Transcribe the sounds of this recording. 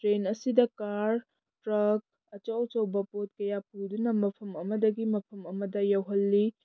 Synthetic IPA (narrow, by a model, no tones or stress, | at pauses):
tɾenɐsidɐkaɾ | tɾɐk̚ | ɐt͡ʃawt͡ʃɐwbɐpot̚kɐjapudunɐmɐpʰɐmɐmɐdɐɡimɐpʰɐmɐmɐdɐjɐwɦɐlːi